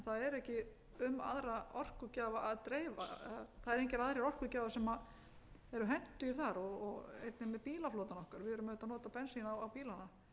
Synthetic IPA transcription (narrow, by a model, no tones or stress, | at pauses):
nθaðɛɾɛhcɪ | ʏma̰ðɾaɔr̥kʏcaːvaʔaðt̪ɾeːjva̰θaðɛɾẽjɲcɛɾaðɾɪɾɔr̥kʏcaːvasɛma | ɛɾʏɦɛn̥t̪ʏiɾ̥θaɾɔɣɔɣḛjt̪nɪmɛðpiːlafloːwt̪anɔhkaɾvɪðɛɾʏmʏht̪anɔːt̪apɛnsinawawpiːlana